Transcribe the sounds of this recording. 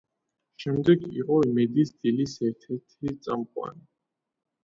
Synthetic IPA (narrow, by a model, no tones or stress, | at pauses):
ʃɛmd̪ɛɡḭqʼɔimɛd̪isd̪̥ilisɛɾt̪ʰɛɾt̪ʰit̪sʼamqʼwa̰ni